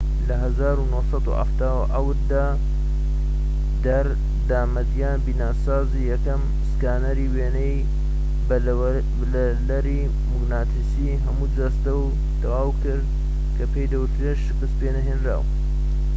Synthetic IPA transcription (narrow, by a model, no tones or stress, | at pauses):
lɐɦɐzaːɾunoːsɑd̪ṵʔa̰ft̪aːwʔɐwɨɾd̪aː | d̪ɐɾ | d̪aːmɐd̪jaːnbiːnaːsaːzijɐkɐm | skaːnɐɾiweːnej | b | lɐ | lɐɾi | muɡnaːt̪ʰisiɦɐmud͡zast̪ɐw | t̪ɐwaːwkɨɾ | kʰɐpejd̪ɐwʊt̪ɾeʃqɨspenɐɦeːnɾa̰ːw